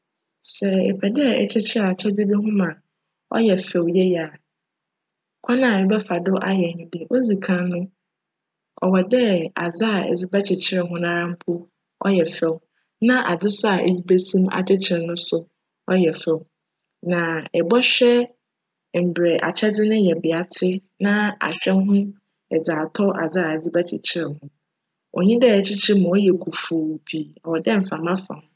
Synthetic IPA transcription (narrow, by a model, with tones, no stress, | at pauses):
sɛ˨ḛ˨pʰɛ˨dɛ˦ɛ̰˨t͡ɕʰɪ˦t͡ɕʰɪ˦ɾa˨t͡ɕʰɛ˦dɪ˦bɛ˦ɦʊ̃˦mã˨ | ɔ̰˦jɛ˨fɛ˨wjɛ˦ja˨ | kʷʰa˦nã˨ɛ˨bɛ˦fa˨dʊ˦ʔa˦jɛ˨ɲ̃˨dɛ˨ʔo˦zi˨kʰã˦n˦nʊ̃˦ | ɔ̰˨wɔ˨dɛ˦a˨za˦a˨ḛ˨d͡zi˦ba˦t͡ɕʰɪ˨t͡ɕʰɪ˦ɾɛ˨ɦʊ̃˦nã˦ɾã˦m̩˦pʰʊ˦ | ɔ̰˦jɛ˨fɛ˨w | nã˦ʔa˨d͡zɪ˦sʊ˦a˨ʔḛ˨d͡zi˦be˦sĩ˦ma̰˨d͡ʑɪ˦t͡ɕʰɪ˨ɾnʊ̃˦sʊ˨ | ɔ˦jɛ˨fɛ˨˦ | nã˨ɛ˨bɔ˦ɕᶣɛ˦˨ | m̩˨bɾɛ˨ʔa̰˨t͡ɕʰɛ˦d͡zɪ˦nɪ̃˦jɛ˨bɪ˨a˨tʰɪ˦ | nã˦a̰˨ɕᶣɛ˦nɦʊ̃˦ | ɛ˨d͡zaː˨tʰɔ˦ʔa̰˨d͡za˦˨ɛ˨d͡zi˦ba˦t͡ɕʰɪ̰˨t͡ɕʰɪ˦ɾɪ˨ɦʊ̃˦ | ɔ̰˨ɲĩ˦dɛ˦˨t͡ɕʰɪ˦t͡ɕʰɪ˦mã˨ɔ˦jɛ˨kʰu˨fu˨pʰi˨ɔ˨wɔ˨dɛ˦m̩˨fa˨mã˦fã̰˨hʊ̃˦